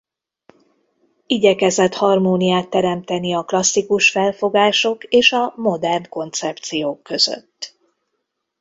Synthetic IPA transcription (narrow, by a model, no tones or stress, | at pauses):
iɟɛkɛzɛt̪hɒrmoːnijaːt̪ːɛɾɛmt̪ɛniɒklɒsːikuʃfɛlfo̞ɡaːʃo̞keːʃɒmo̞d̪ɛrnko̞nt̪sɛpt̪sijoːkːø̞zø̰t̪ː